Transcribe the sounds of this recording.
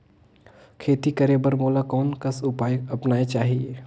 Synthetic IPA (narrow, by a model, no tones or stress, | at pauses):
kʰeːt̪ikɐɾeːbəɾmoːlakɔːnkəsʊpaːjɐpnaːet͡ʃaːɦieː